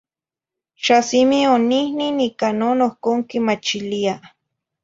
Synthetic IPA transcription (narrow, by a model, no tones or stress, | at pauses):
ʃasimionihninikanonohkoŋkimat͡ʃilia